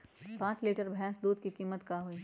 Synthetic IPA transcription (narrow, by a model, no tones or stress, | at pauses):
pãːt͡ʃleːʈəɾbʱɛ̃ːsd̪uːd̪kikiːmːət̪kaɦoiː